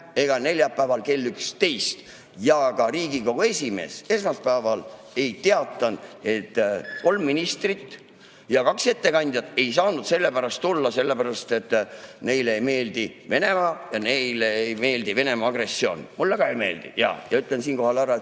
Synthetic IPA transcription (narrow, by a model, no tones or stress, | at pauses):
e̞ɡ̥ɑne̞lʲjɑpːæevɑlke̞lːykst̪e̞jst̪ | jɑkɑɾiːɡiko̞ɡ̥ue̞sʲime̞̰ːse̞smɑspæːvɑl | e̞jt̪eɑt̪ˑːɑne̞t̪ːˑko̞lmːinist̪rit̪ː | jɑkɑkse̞t̪ːe̞kɑnʲd̪̥jɑt̪ːˑe̞jsɑːnud̪̥se̞lːe̞pæɾɑst̪ːulːɑse̞lːe̞pæɾɑst̪e̞t̪ːˑne̞jlejme̞ːld̪̥ive̞ne̞mɑjɑne̞jleejme̞ːld̪̥ive̞ne̞mɑɑɡre̞sːio̞ːnmulːekɑejme̞ːld̪̥ḭjɑ̰jɑyt̪ˑlensiːnko̞ɦɑlæɾɑet̪